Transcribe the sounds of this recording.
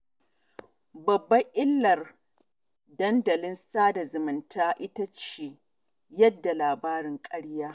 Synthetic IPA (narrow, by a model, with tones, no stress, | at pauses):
bɐ˨bːɐ˦ʔɪ˦lːɐ˨r | dɐ˦ndɐ˨lɪ˦nsaː˦da˨zʊ˨mɪ˨ntʰaː˦ʔɪ˦tɐ˦t͡ʃeː˨ | jɐ˦dːa˨laː˨baː˦ɾɪ˨ŋkʼɐ˦ɽjaː˦